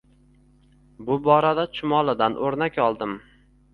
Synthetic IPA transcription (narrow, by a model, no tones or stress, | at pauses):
bʊbɒɾad̪at͡ʃʰʊmɒlˠɪd̪anʔoɾnakʲɒlˠd̪ɪm